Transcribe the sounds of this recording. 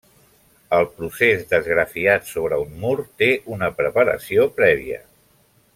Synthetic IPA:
əlˠpɾusezd̪əzɣɾəfiat̪soβ̞ɾəunːuɾt̪eʔunəpɾəpəɾə̰siopɾɛβ̞ḭə̰

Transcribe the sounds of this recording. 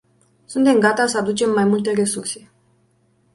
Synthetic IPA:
sunt̪e̞mɡat̪asəad̪ut͡ʃe̞mːajmult̪e̞re̞surse̞

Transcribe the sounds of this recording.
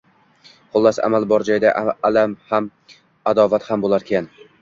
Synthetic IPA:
χʊlˠːasa̰malˠbɒɾd͡ʒajɪd̪aalamham | ad̪ɒvat̪hambolˠaɾkʲʰan

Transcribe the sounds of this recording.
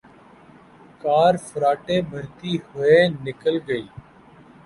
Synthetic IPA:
kaːɾfəɾaːʈeːbʱəɾt̪iːhʊeːnɪkəlɡəiː

